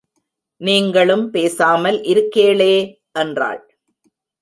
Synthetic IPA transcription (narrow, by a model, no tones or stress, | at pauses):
niːŋɡɐɭɯmpeːsaːmɐlʔɪɾɯkːeːɭeː | ʔɛndra̰ːɭ